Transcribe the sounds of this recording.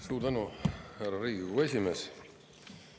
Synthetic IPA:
suːɾt̪ænuhærɑɾiːɡɡue̞sʲimeːs

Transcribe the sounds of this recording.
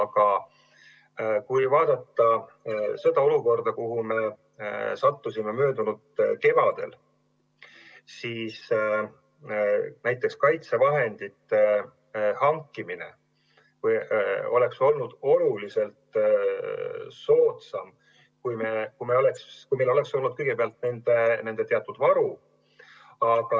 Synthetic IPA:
ɑkɑ | kujvɑːd̪̥ɑt̪ːɑ | sed̪̥ɑo̞luko̞rd̪̥ɑkuhume̞ | sɑt̪ːusime̞møːd̪unud̪̥ke̞vɑd̪̥ḛl | siːs | næjt̪ːˑe̞kskɑjt̪se̞vɑɦe̞nd̪̥it̪ːe | hɑŋkːˑimine̞̰ | kujo̞le̞kso̞lnud̪̥o̞lulise̞lt̪ | so̞ːt̪sɑm | kujme̞kujmeo̞le̞kskujmejlo̞le̞kso̞lnud̪̥̚kɤjɡ̥e̞peɑlt̪̚ne̞nd̪̥e̞ne̞nd̪e̞t̪eɑt̪ːˑud̪̥vɑɾu | ɑɡ̥ɑ

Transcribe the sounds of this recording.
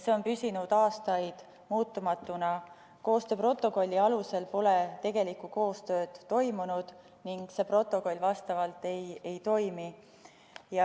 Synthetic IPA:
seo̞npysʲinud̪̥ɑːst̪ɑjd̪̥ | muːt̪ːˑumɑt̪ːˑunɑ | ko̞ːst̪øːpro̞t̪ːˑo̞ko̞lʲːiɑluse̞lpo̞le̞t̪e̞ɡ̥e̞likːˑuko̞ːst̪ø̞ːd̪̥ːo̞jmunud̪̥ | niŋɡ̥se̞pro̞t̪ˑːo̞ko̞lʲvɑst̪ɑvɑlt̪ːe̞je̞jt̪o̞jmi | jɑ

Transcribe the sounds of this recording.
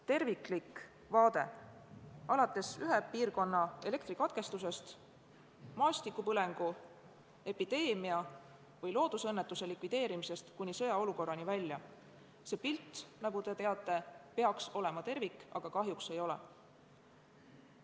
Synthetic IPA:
t̪e̞rviklik | vɑːd̪̥e̞ | ɑlɑt̪ːˑe̞syɦepiːrko̞nːɑe̞le̞kt̪rikɑt̪̚ke̞st̪us̬e̞st̪ | mɑːst̪ikːˑupɤle̞ŋɡ̥u | e̞pid̪̥e̞ːmiɑ | vɯjlo̞ːd̪̥usɤ̞nːet̪ːˑuse̞likˑvid̪̥e̞ːɾimise̞st̪kunʲːisɤ̞jɑo̞luko̞rːɑnivælʲːjɑ | se̞ːpilt̪ːnɑɡ̥ut̪e̞t̪e̞ɑt̪ːˑe̞pe̞ɑkso̞le̞mɑt̪e̞rvikːˑɑɡ̥ɑkɑɦjukse̞jo̞lḛ

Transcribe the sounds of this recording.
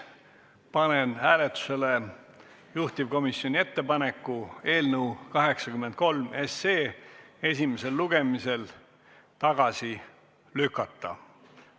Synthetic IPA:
pɑnenhæːlet̪ːu̥se̞le | juht̪ivko̞misjo̞nʲie̞t̪ːe̞pɑne̞kːˑue̞ːlnəwkɑɦe̞ksɑkymːˑent̪̚ko̞lme̞seːe̞sʲimese̞lːuɡ̥e̞mise̞l | t̪ɑɡ̥ɑsi | lykːˑɑt̪ːɑ̰

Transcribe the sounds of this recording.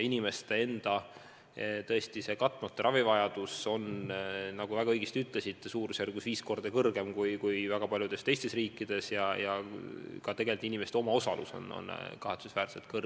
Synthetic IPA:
inime̞st̪ee̞nd̪̥ɑ | t̪ɤ̞est̪ise̞kɑt̪ːˑmɑt̪ːˑrʔɑvivɑjɑd̪̥uso̞nnɑɡ̥uvæɡ̥ɑɤjɡ̥est̪ʲyt̪ˑlesit̪ːsuːɾusjærɡusviːsko̞rd̪̥ɑkɤrɡ̥e̞mkujkujvæɡ̥ɑpɑlʲjud̪̥e̞st̪ejst̪e̞sriːkːˑid̪̥e̞sjɑjɑkɑt̪e̞ɡelʲt̪ːinimest̪eo̞mɑo̞sɑlʔṵso̞̰no̰nkɑɦe̞t̪susvæːɾselt̪̚kɤr

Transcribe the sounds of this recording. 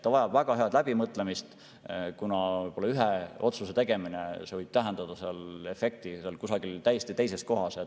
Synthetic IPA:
t̪ːɑvɑjɑb̥væɡ̥ɑɦe̞ɑd̪læb̥imɤt̪ˑle̞mist̪ | kunɑvɤjpo̞lɑyɦeo̞t̪suset̪e̞ɡ̥e̞minesevɤjb̥̚t̪æɦend̪̥ɑd̪̥ɑseɑle̞fe̞k̚t̪iselkusɑɡ̥ilt̪æjest̪it̪e̞jse̞sko̞ɦɑse

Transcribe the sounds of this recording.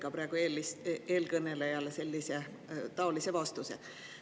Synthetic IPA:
kɑpɾɑˑe̞ɡ̥ueːlise̞ːlkɤne̞lejɑlese̞lʲːise̞ | t̪ɑo̞lise̞vɑst̪use

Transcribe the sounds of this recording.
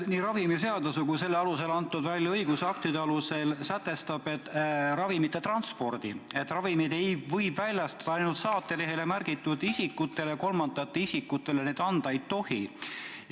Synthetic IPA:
niːɾɑvimise̞ɑd̪ɑsukuse̞lːeɑluse̞lɑnt̪ːˑud̪vælʲjɑɤjɡ̥usɑk̚t̪id̪e̞ɑluse̞lsæt̪ːˑe̞st̪ɑb̥e̞t̪ːɾɑvimit̪ːe̞t̪rɑnspo̞rd̪̥ie̞t̪ːˑrɑvimid̪̥e̞jvɤ̞jbvælʲjɑst̪ɑd̪̥ɑɑjnult̪sɑːt̪ːe̞le̞ɦe̞le̞mærɡ̥it̪ːˑud̪isikːut̪ːˑe̞lejɑko̞lmɑnd̪ɑɑt̪ːeisikːut̪ːˑe̞lene̞ːd̪ɑnd̪̥ɑejt̪o̞hi

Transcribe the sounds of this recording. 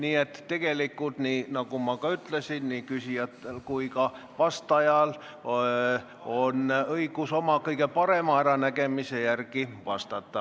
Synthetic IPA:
niːet̪t̪e̞ɡelikːult̪ninɑkumɑkɑyt̪lesinnikysiɑt̪ːelkuikɑ | ʋɑst̪ɑjɑl | onɤikuso̞mɑkɤikepɑɾemɑæɾɑnækemisejærkiʋɑst̪ɑt̪ːɑ

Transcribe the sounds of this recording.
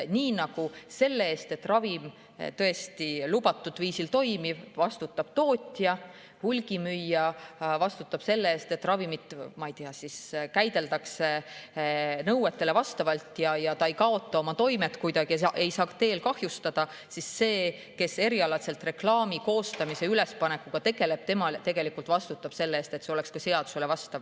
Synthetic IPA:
niːnɑɡ̥use̞lːe̞eːst̪e̞t̪ːrɑvim | t̪ɤ̞e̞st̪ilub̥ɑt̪ːˑud̪̥viːsilt̪o̞jmib̥vɑst̪ut̪ːˑɑb̥t̪o̞ːt̪ʲjɑ | hulʲɡ̥imyjːɑvɑst̪ut̪ːˑɑb̥se̞lːeeːst̪e̞t̪ːˑrɑvimit̪ˑmɑijt̪iɑsiskæjd̪̥e̞ld̪ɑkse̞ | nɤwet̪ːˑe̞levɑst̪ɑvɑlt̪jɑjɑt̪ɑejkɑo̞t̪ːˑɑo̞mɑt̪o̞jmet̪kujd̪ɑɡ̥ieʔe̞jsɑːkt̪e̞ːlkɑhjust̪ɑd̪̥ɑ | sisːe̞ː | ke̞se̞ɾiɑlɑt̪se̞lt̪re̞klɑːmiko̞ːst̪ɑmise̞yle̞spɑnekːuɡ̥ɑt̪e̞ɡ̥e̞le̞b̥̚t̪e̞mɑlt̪e̞ɡ̥e̞likult̪vɑst̪ut̪ːˑɑb̥se̞lːeeːst̪e̞t̪ːseolekskɑse̞ɑd̪̥u̥se̞levɑst̪ɑv

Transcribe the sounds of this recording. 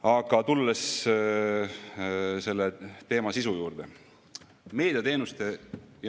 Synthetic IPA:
ɑɡ̥ɑt̪ulːes | se̞lːet̪e̞ːmɑsisujuːrd̪̥e̞ | me̞ːd̪̥ʲiɑt̪e̞ːnust̪e̞jɑ

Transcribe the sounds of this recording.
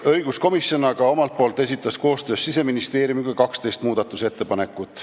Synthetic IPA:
ɤ̞jɡ̥usko̞misjo̞nɑɡɑo̞mɑlt̪̚poːlt̪ˑe̞s̬ʲit̪ːˑɑsko̞ːst̪ø̞ːsːise̞minist̪e̞ːɾjumikujkɑkst̪e̞jst̪muːd̪̥ɑt̪ːˑuse̞t̪ːe̞pɑne̞kːˑut̪ːˑ

